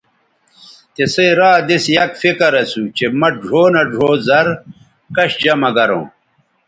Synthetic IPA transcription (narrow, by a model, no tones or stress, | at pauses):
t̪esɐjɾaːd̪esjɐkfikɐɾɐsut͡ɕemɐɖʱoːnɐɖʱoːzɐɾ | kɐɕd͡ʑɐmɐɡɐɾõ̰ː